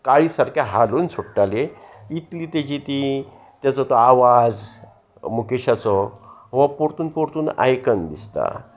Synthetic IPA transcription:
kaɭiːsaɾkʰjaɦaluːnsuʈʈaleit̪liːt̪ed͡ʑit̪i | t̪jat͡sɔt̪ɔaʋad͡z | mukeɕat͡sɔɦʋapoɾt̪uːnpoɾt̪uːna̰jkənd̪ist̪a̰

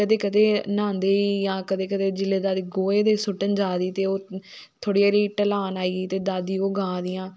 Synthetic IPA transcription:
kəd̪eːkəd̪eːnãːnd̪eːiːjãːkəd̪eːkəd̪eːd͡ʒɪleːd̪aːd̪iːɡoːeːd̪eːsʊʈənd͡ʒaːd̪iːt̪eːoː | t̪ʰoːɽijaːɾiːʈəlaːnaːiːiːt̪eːd̪aːd̪iːoːɡãːd̪ɪjãː

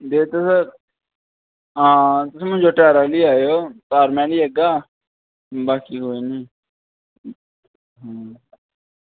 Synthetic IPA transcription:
d̪eːt̪esə | ãːt̪ʊseːmʊ̃nd͡ʒoːʈɛːɾaːliːaːjoːt̪aːɾmɛ̃ːliːəɡaː | baːkiːɦoːiːnĩː | ɦãː

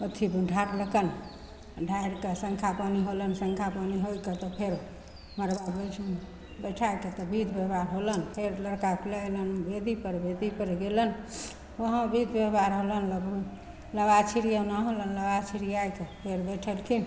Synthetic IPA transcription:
ət̪ʰibuɖʱaɾləkən | ɖʱaiɾkesə̃ŋkʰapaniɦolənsəŋkʰapaniɦojket̪ɔpʰeɾ | məɾbabəʈʰn | bəʈʰajket̪ɔbʱid̪ʱbeɦbaɾɦolənpʰeɾləɾkaklələnbed̪ipəɾbed̪ipəɾɡelən | ʋəɦə̃bʱid̪ʱbeɦbaɾɦolənlə | ləbat͡ʃʰiɾijanaɦolənləbat͡ʃʰiɾijajkepʰeɾbəjʈʰəlkʰin

